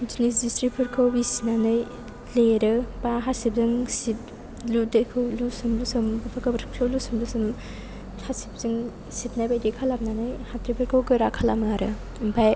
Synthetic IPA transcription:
d͡ʒinis̬distɾipʰɯɾkʰawbisnanɯj | leɾɯpaɦasip̚zɯŋsip̚ | ludekʰɯwlusumlusɯmbpʰakʰabɐɾʰkʰlowlusumlusɯm | hʰasip̚zɯŋ | sipnajbajdikʰalap̚nanɯjhatɾipʰɯɾkʰawɡɯɾakʰalamaɾɯ̰ | baj

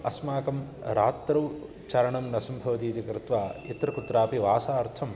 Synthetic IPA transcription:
ɐsmaːkɐmɾaːt̪ːɾɐw | t͡ʃɐɾɐɳɐmnɐsɐmbʱɐʋɐt̪iːt̪ikɾɪt̪ʋaːit̪ɾɐkut̪ɾaːpiʋaːsaːɾt̪ʰɐm

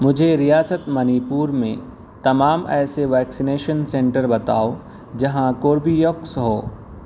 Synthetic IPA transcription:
mʊd͡ʒʱeɾijaːsət̪mɐniːpuːɾmẽ | t̪ɐmaːmɛːseʋɛːksineːʃənsẽːɳʈəɾbɐt̪aːo | d͡ʒɐɦãkoːɾbijoksɦoː

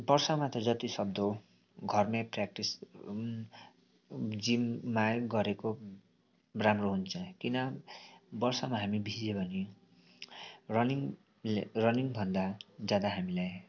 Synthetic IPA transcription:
bʌrsʌmat̪ʌd͡zʌt̪isʌb̚d̪o | ɡʱʌrmeprak̚ʈis | d͡zimmajɡʌɾeko | ramroɦunt͡sʰʌ̃kinʌ | bʌrsʌmaɦamibʱid͡zebʱʌne | rʌniŋ | rʌniŋbʱʌnd̪ad͡zjad̪aɦamilaj

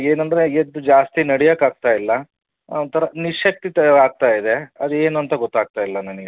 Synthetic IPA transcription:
eːnɐnd̪ɾe̞ed̪ud͡ʒaːst̪inɐɽɛjɐkaːɡ̚t̪aːjilːɐ | ɐnt̪ʰɐɾɐniʂɐk̚t̪ːit̪ɐaːɡ̚t̪aːjid̪e̞ɐd̪ueːnuɐnt̪ɐɡɔt̪ːaːɡ̚t̪aːjilːɐnɐniɡe

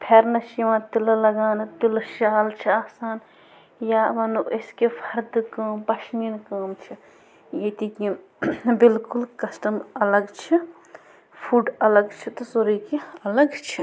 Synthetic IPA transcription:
pʰeɾnɐʃiʋãːt̪ilɐlɐɡaːnɐt̪ilɐʃaːlt͡ʃʰiaːsaːn | jaːʋɐnuʔɐskefʰɐɾd̪ɨkaːmpɐʃninkaːmt͡ʃʰi | jet̪ikĩ | bɪlkulkɐsʈɐmɐlɐɡt͡ʃʰi | pʰuːɖɐlɐɡt͡ʃʰit̪ɐsoɾikiɐlɐɡt͡ʃʰi

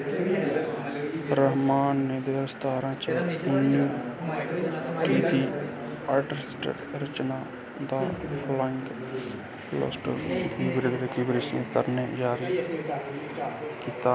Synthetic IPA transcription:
ɾəɦmaːnːeːd̪eːɾəst̪ʰaːɾãːt͡ʃəʊnjuː | kiːt̪iː | aːʈɾesʈə̰ɾɾət͡ʃnaː | d̪aːpʰləŋɡ | lo̰ːsʈə̰kiːbɾeːd̪ɾekuːbɾeːʃə̃kəɾneːd͡ʒaːɾi | kiːt̪aː

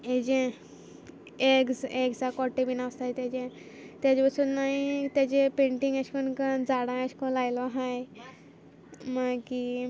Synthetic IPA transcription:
ed͡ʑẽ | eɡd͡zekd͡zakɔʈːebinast̪ajt̪jat͡ɕẽ | t̪jat͡ɕepəsunːaɦit̪jat͡ɕẽpeɳʈiŋəɕkonkənd͡zaɽãaɕkõlajlɔɦaj | maki

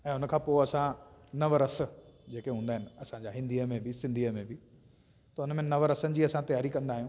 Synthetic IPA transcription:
ɛ̃ːʊnə̆kʰãːpoːɪɐsãnɐʋəɾɐs̆d͡ʑeːkeɦũːnd̪aɦɪnɪ̆ɐsãɲd͡ʑaːɦɪ̃nd̪iəmẽbɪsɪ̃nd̪ʱiəmẽbɪ | t̪ɐʊnəmẽnɐʋəɾɐsənɪ̆d͡ʑiːɐsãt̪ɐjaːɾikɐ̃nd̪aːɦijũː

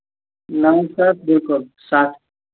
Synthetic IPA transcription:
naːjsaːt̪̚bɪlkʊlsaːt̪ʰ

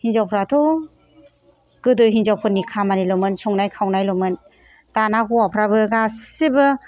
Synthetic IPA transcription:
hinzawpʰɾatʰu | ɡ̥ɯdɯjɦinzawpʰɯnːikʰamanilɔmɯnsʰɔŋnajkʰawnajlɔmɯn | tanakuwapʰɾabɯɡasibɯ

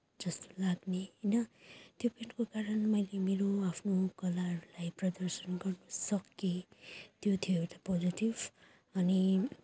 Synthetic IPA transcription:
d͡zʌst̪o̥laɡneinʌt̪jopʰenkokaɾʌnmʌjlemeɾoapʰnokʌlarulajprʌd̪ʌɾsʌnɡʌrnʌsʌkːit̪jot̪ʰijoɦeʈapod͡ziʈib | ʌni

